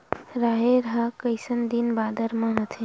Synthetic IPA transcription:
ɾaɦeɾɦakəɪsənd̪inbad̪əɾmãɦət̪ʰẽ

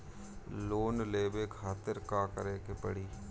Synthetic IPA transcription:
loːnleːbekʰaːt̪ɪɾkaːkəɾeːkepəɽiː

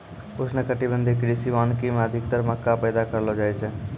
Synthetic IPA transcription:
ʊsnekəʈibə̃nd̪ʱikɾisiʋaːnkimẽəd̪ʱɪk̚t̪əɾməkːapɛːd̪akəɾlod͡ʒaːet͡ʃʰɛ

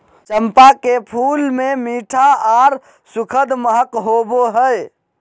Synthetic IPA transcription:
t͡ʃəmpakepʰulmemiːʈʰaaɾ | sukʰəd̪məɦəkɦoboɦəj

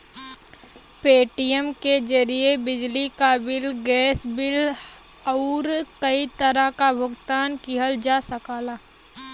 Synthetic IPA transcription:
peːʈijəmked͡ʒəɾiebɪd͡ʒlikabɪlɡɛːsbɪl | ɔːɾkəit̪əɾəkabʱʊɡt̪aːnkiɦəld͡ʒaːsəkaːlaː

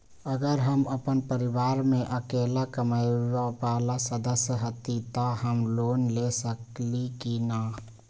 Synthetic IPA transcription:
əɡəɾɦəməpənpəɾiʋaːɾmẽʔəkelakəmaɪʋapalasəd̪əsjəɦət̪it̪ahəmloːnlesəklikina

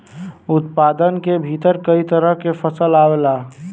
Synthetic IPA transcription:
ʊt̪pad̪ənkebʱit̪əɾkəit̪əɾəɦkepʰəsəlawela

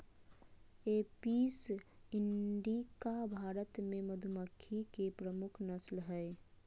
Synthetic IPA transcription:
episiɳɖikabʱaɾət̪meməd̪ʱuməkʰːikepɾəmukʰnəslɦəɪ

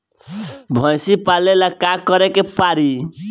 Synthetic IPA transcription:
bʱə̃jsipalelakakəɾekepaɾi

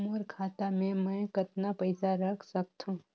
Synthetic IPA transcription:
muːɾkʰaːt̪amẽmɛ̃kɐt̪napəɪsaɾɐkʰsək̚t̪ɦũː

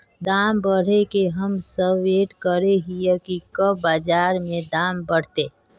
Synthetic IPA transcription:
d̪aːmbəɽ̤ekeɦəmsəbeːʈkəɾeɦijəkikəbaːd͡ʒaːɾmẽd̪aːmbəɽ̤t̪eː

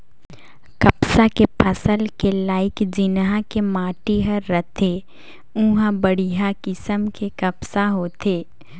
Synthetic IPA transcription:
kɐpsakepʰɐsəlkelaːɪkd͡ʒɪnɦãkemaːʈiɦɐɾːət̪ʰeː | ũːɦãbəɽiɦakɪsəmkekɐpsaɦoːt̪ʰeː

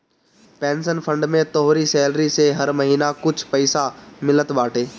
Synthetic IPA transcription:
pɛ̃ːnsənfɐ̃ɳɖmẽt̪ɔɦɾisɛːlɾiseɦɐɾmɐɦiːnakʊd͡ʑʱpɐɪsamɪlət̪ɓaːʈʰeː

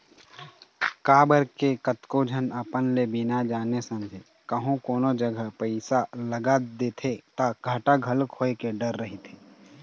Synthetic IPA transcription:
kaːbəɾkekət̪kod͡ʒʱənəpənlebɪnad͡ʒaːnesə̃md͡ʒ̪ʱe | kəɦũkoːnod͡ʒəɡʱəpəɪsaləɡad̪eːt̪ʰet̪aɡʱəʈaɡʱəlkʰoːekeɖəɾːəɦit̪ʰeː

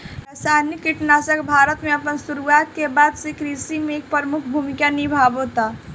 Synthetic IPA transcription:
ɛsaːnjəkɪʈnaːsəkbʱaːɾət̪mẽɐpənsʊɾuaːt̪̚kebaːd̪sekɾisimẽeːk̚pəɾmʊkʰbʱuːmɪkanɪibʱaːbɦot̪aː

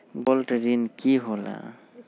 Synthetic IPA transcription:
bɔlteɹinkiɦɔla̰

